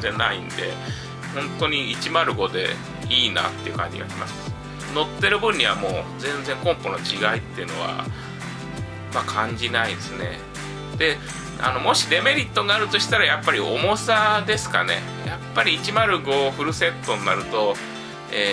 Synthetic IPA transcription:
t̪enaind̪e̞̰ | hõ̞nt̪o̞ɲ̟iːt͡ɕimaɾɯ̟ɡo̞d̪e̞̰ | iːna̰t̪ːe̞iɯ̟kã̰ɲ̟d͡ʑḭɡa̰ɾʲima̰sɨ̥ | no̞t̪ːe̞ɾɯ̟bɯ̟̃ɲ̟ɲːiβa̰mo̞̰ːzẽ̞nd͡zẽ̞ŋkõ̞mpo̞no̞t͡ɕiɡait̪ːe̞iɯ̟no̞̰βa̰ | makʰãɲ̟d͡ʑinaid̪esɨne̞̰ | d̪̥e̞ | a̰no̞mo̞ɕiɾe̞me̞ɾʲit̪ːo̞ŋaɾɯ̟t̪o̞ɕi̥t̪aɾajapːaɾʲio̞̰mo̞sad̪e̞sɨ̥ka̰ne̞̰ | japːaɾʲiːt͡ɕimaɾɯ̟ɡo̞ɸɯ̟ɾɯ̟se̞t̪ːo̞nːaɾɯ̟t̪o̞ | eː

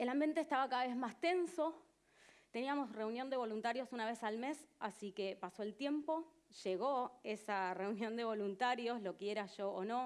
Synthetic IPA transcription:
elambje̞nt̪eːst̪aβakaðaβezmast̪e̞nso̞ | t̪e̞niamo̞sre̞unjo̞nd̪e̞β̞o̞lunt̪aɾjo̞sunaβe̞salme̞sa̰sike̞paso̞elt̪je̞mpo̞ | ʃe̞ɣoesare̞unjõ̞nd̪e̞β̞o̞lunt̪aɾjo̞slo̞keeɾaʃo̞ːno̞

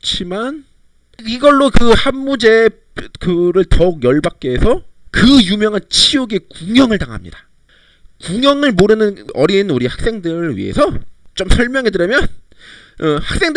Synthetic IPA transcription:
t͡ɕʰiman | iɡʌɭːokɯhamːud͡ʑe̞ | kɯɾɯɭtʌk̚jʌɭbak̚k͈eːsʰʌkɯjumjʌŋɯnt͡ɕʰioɡe̞kuŋjʌŋɯɭtaŋɦa̰mɲḭdḁ | kuŋjʌŋɯɭmoɾɯnɯnʌɾinuɾihak̚s͈e̞ŋdɯɾɥḭe̞̰sʰʌt͡ɕ͈omsʰʌɭmjʌŋɦe̞dɯɾjʌmjʌn | ʌhak̚s͈e̞ŋd

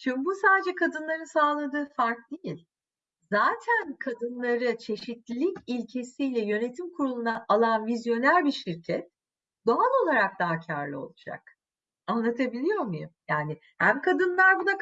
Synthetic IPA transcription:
t͡ʃʰymbusaːd̪ed͡ʒɛkʰad̪ɯnlˠaɾɯnsaːlˠad̪ɯːfaɾk̚d̪ejilʲ | zaːt̪ʰænkʰad̪ɯnlˠaɾɯt͡ʃʰe̞ʃit̪lʲilʲicilʲcʰe̞sijlʲɛjø̞ne̞t̪ʰimkʰuɾulˠunaʔalˠanvizjo̞næɾʲbiʃiɾcʰɛt̪̚ | d̪̥o̞alˠo̞lˠaɾak̚d̪aːcʰaɾlˠɯo̞̰lˠud͡ʒa̰k̚ | anlˠat̪ʰabilʲijo̞ɾmujṵmjaːnɪ | hæmkʰad̪ɯnlˠaɾbuna

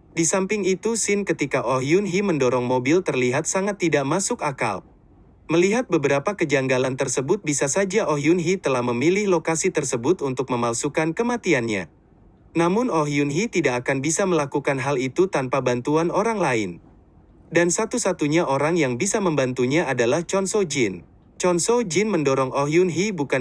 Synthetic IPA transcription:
disampɪŋit̪usɪnkət̪ikaʔoɦiunɦiməndoɾɔŋmobɪlt̪ərliɦat̪̚saŋat̪ːidaʔmasʊkaka̰l | məliɦat̪̚bəbəɾapakəd͡ʒaŋɡalant̪ərsəbʊt̪̚bisasad͡ʒaʔoɦiunɦit̪əlahməmilɪhlokasit̪ərsəbʊt̪unt̪ʊk̚məmalsukankəmat̪ianɲa̰ | namʊnɔɦiunɦit̪idakːkanbisaməlakukanɦalit̪ut̪anpabant̪uanoɾaŋlaɪ̰n | dansat̪usat̪uɲaʔoɾaŋjaŋbisaməmbant̪uɲaːdalaht͡ʃɔnsod͡ʒɪn | t͡ʃɔnsod͡ʒɪnməndɔɾɔŋʔoɦiunɦibuka

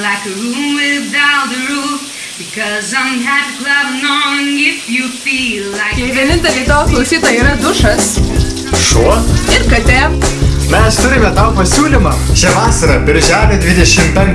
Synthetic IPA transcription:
laɪkəɹumɪaɨɹu | bɨkʰʌzãɪ̃mɦæ̥tɨkʰlʌbnɔ̃ŋɪfjɨfilˠaɪjɛɪʋʲiɛnʲɪnʲt̪ʲɛlʲiːt̪oːsklˠɔʊsʲiːt̪ɐiːɾɐd̪ʊʃɐs | ʃuɔɪɾkɐt̪ʲæmʲɛst̪ʊɾʲɪmʲɛt̪ɑʊpɐsʲuːlʲimɑːʃʲɛʋɑːsɐɾɐbʲɪɾʲʒʲæːlʲed̪ʲʋʲɪd̪ʲɛʃʲɪmpʲɛŋ

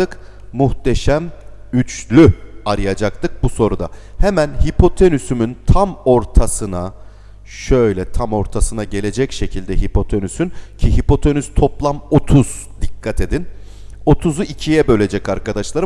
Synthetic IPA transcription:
ɯk | muht̪ʰe̞ʃæm | yt͡ʃlʲyaɾɯjad͡ʒak̚t̪ɯk̚buso̞ɾud̪a̰hɛmænhipʰo̞t̪ʰenysymynt̪ʰamo̞ɾt̪ʰasɯna | ʃø̞jlʲɛt̪ʰamo̞ɾt̪ʰasɯnaɟe̞lʲe̞d͡ʒɛcʃe̞cʰilʲd̪ɛɦipʰo̞t̪ʰenysyncʰiɦipo̞t̪ʰe̞nyst̪ʰo̞plˠamo̞t̪ʰuz̥ | d̪ikʰːat̪ʰe̞d̪in | o̞t̪ʰuzuicʰijɛbø̞lʲe̞d͡ʒɛcaɾkʰad̪aʃlˠaɾ

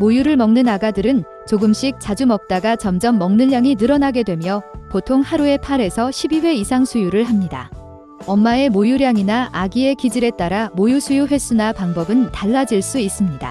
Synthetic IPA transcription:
mojuɾɯɭmʌŋnɯnaɡadɯɾɯn | t͡ɕoɡɯmɕ͈ik̚t͡ɕ͈ad͡ʑumʌk̚t͈aɡat͡ɕʌmd͡ʑʌmːʌŋnɯʎːjaŋinɯɾʌnaɡe̞dwe̞mjʌpotʰoŋhaɾue̞pʰaɾe̞sʰʌɕʰibiwe̞isʰaŋsʰujuɾɯɭɦamɲida̰ | ʌmːae̞mojuɾjaŋinaʔaɡie̞kid͡ʑiɾe̞t͈aɾamojusʰujuɸwe̞s͈ʰunapaŋbʌbɯntaɭːad͡ʑiɭs͈uis͈ɯmɲida̰

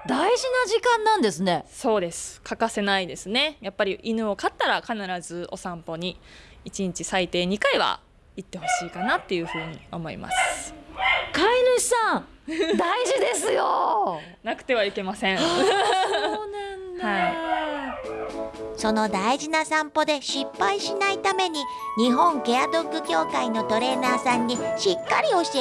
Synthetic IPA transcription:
d̪aiʑinaʑikãnːãnd̪e̞sɨneso̞ːd̪e̞sɨ̥kʰakase̞naid̪e̞sɨne̞japːaɾʲiʔinɯ̟o̞kat̪ːaɾakanaɾazɨo̞sãmpo̞ɲ̟i | it͡ɕiɲ̟it͡ɕisait̪e̞ːɲ̟ikaiβa̰ | it̪ːe̞ho̞ɕiːkanat̪ːe̞jɯ̟ɸɯ̟ːɲ̟ḭo̞̰mo̞ḭma̰sɨ̥ | kaiɾɯ̟̥sãŋd̪aiʑid̪e̞sɨjo̰ | nakɯ̟̥t̪e̞β̞aike̞masẽ̞ | nanh̪hai | so̞no̞d̪aiʑinasãmpo̞d̪e̞ɕipːaiɕinait̪ame̞ɲ̟i | ɲ̟iɦõ̞ŋɡe̞ad̪o̞kɯ̟kʲo̞ːkaino̞t̪o̞ɾe̞ːnaːsãɲ̟ːiɕikːaɾʲio̞ɕi

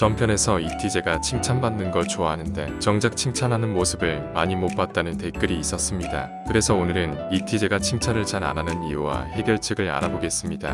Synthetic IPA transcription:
t͡ɕʌmpʰjʌne̞sʰʌitʰid͡ʑe̞ɡat͡ɕʰiŋt͡ɕʰanbanːɯnɡʌɭt͡ɕoaɦanɯnde̞t͡ɕʌŋd͡ʑak̚t͡ɕʰiŋt͡ɕʰanɦanɯnmosʰɯbɯɭmaɲimop͈at̚t͈anɯnte̞k͈ɯɾiːs͈ʌs͈ɯmɲida | kkɯɾe̞sʰʌonɯɾɯnitʰid͡ʑe̞ɡat͡ɕʰiŋt͡ɕʰanɯɭt͡ɕaɾa̰nanɯnijuwa̰he̞ɡjʌɭt͡ɕʰeɡɯɾa̰ɾaboɡe̞s͈ɯmɲida̰

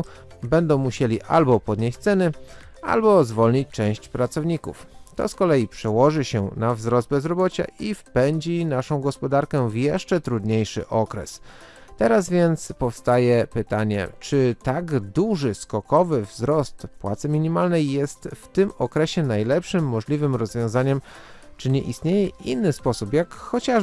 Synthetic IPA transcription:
bɛnd̪ɔ̃w̃muɕelʲiʔa̰lbɔpɔd̪ɲeɕt͡ɕʲt̪sɛnɘ | a̰lbɔzvɔlɲit͡ɕt͡ʂɛ̃w̃ɕt͡ɕpɾat̪sɔvɲikṵft̪ɔ̰skɔlɛjipʂɛwɔʐɘɕɛnavzɾɔzd̪bɛzɾɔbɔt͡ɕa̰ʔifpɛɲd͡ʑinaʂɔ̃w̃ɡɔspɔd̪aɾkɛvjɛʂt͡ʂɛt̪ɾud̪ɲejʂɘ̰ʔɔkɾɛ̰s | t̪ɛɾazvʲjɛnt̪spɔfst̪ajɛpɘt̪aɲɛ̰t͡ʂɘt̪aɡd̪uʐɘskɔkɔvɘvzɾɔst̪pwa̰t̪sɘmʲiɲimalnɛjːɛst̪ft̪ɘmɔkɾɛɕɛnajlɛpʂɘmːɔʐlʲivɘmɾɔzvʲjɔ̃w̃zaɲɛmt͡ʂɘɲɛʔḭst̪ɲejɛinːɘspɔsupjakxɔt͡ɕa

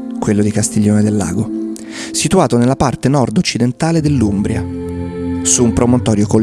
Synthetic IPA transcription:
kwelːod̪ikast̪iʎːoːned̪elːa̰ːɡo | sit̪uaːt̪onelːapart̪enɔrd̪ot͡ʃːid̪ent̪aːled̪elːumbɾja | suːmpɾomont̪ɔːɾjoko

